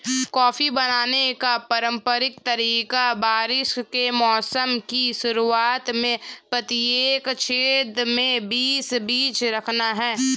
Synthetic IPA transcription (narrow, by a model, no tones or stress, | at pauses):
kɔːfibɐnaːnekapɐɾə̃mpəɾɪk̚t̪ɐɾiːkabaːɾɪʃkemɔːsəmkiʃʊɾuaːt̪mẽpɾɐt̪ieːkʃʰeːd̪mẽbiːsbiːt͡ʃɾɐkʰnaɦɛː